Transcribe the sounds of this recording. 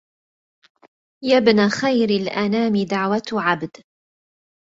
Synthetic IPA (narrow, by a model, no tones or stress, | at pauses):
jabnaːxajɾɪlʔanaːmɪd̪aʕwat̪ʕabd̪